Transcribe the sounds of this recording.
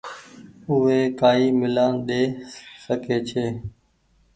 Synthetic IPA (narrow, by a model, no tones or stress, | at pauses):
ʊɦeːkaːiːmɪlaːnɗeːsəkeːt͡ʃʰeː